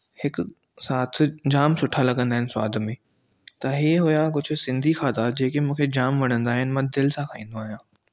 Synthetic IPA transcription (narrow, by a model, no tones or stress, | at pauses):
hɪk | saːt̪ʰd͡ʑaːmsʊʈʰalɐɠə̃nd̪aːɦɪnɪ̆sʊa̰ːd̪ʱmẽː | t̪ɐɦiːɦʊjak̬ʊd͡ʑʱʊ̆sɪ̃nd̪ʱixʰaːt̪ʰad͡ʑeːkemũːkʰed͡ʑaːmʋɐɽ̤̃ə̃nd̪aːɦɪnɪ̆mãd̪ɪlsãkʰaĩːnd̪oaːɦijãː